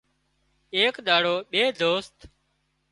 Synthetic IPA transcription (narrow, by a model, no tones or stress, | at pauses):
eːkɗ̪aːɽoːɓeːd̪oːst̪